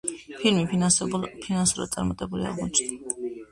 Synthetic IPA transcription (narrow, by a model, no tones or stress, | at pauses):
pʰiɾmipʰpʰinansuɾa̰d̪sʼaɾmat̪ʼɛbulia̰ʁmɔt͡ʃʼd̪a